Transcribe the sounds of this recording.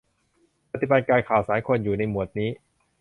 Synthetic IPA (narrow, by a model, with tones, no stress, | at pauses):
pa˧t̪ʰi˨ba˨˧t̪̚kaː˧jkʰaː˨˩wsaː˩˦jkʰo˧njuː˨˩na˧jmu˨˩ə˩t̪̚niː˦˥